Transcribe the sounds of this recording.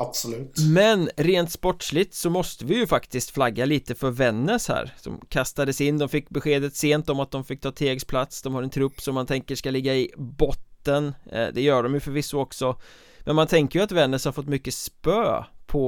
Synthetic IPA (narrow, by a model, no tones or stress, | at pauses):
absɔlʉ̟ːt̪mɛnɾeːnt̪spɔʈʂlɪt̪sɔmɔst̪əvɪjɵfakt̪ɪst̪flaɡːaliːt̪əfœɾvɛnːəʂhæ̰ːɾsɔ̰mkʰast̪ad̪əsɪnːd̪ɔmfɪkːbɛɧeːd̪ət̪seːnt̪ɔmat̪̚d̪ɔmfɪk̚ːt̪ʰɑːt̪ʰeːɡspʰlat̪sd̪ɔmhaɾɛnt̪ʰɾɵpːsɔmːant̪ʰɛŋkəʂkalɪɡːaɪbɔt̪ːənd̪ɛjœːɖɔmjɵfœɾvɪsːəɔksɔ | mɛnmant̪ʰɛŋkəjɵat̪vɛnːəʂhaɾfɔt̪ːmʏkːəspøːpʰɔ